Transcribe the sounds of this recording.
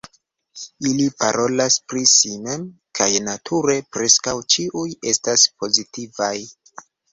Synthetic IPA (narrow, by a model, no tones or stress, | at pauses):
ilipa̰ɾʔo̞laspɾisimem | kʰajnatʰuɾe̞pɾe̞skawt͡ʃiʔuje̞staspo̞zitivaj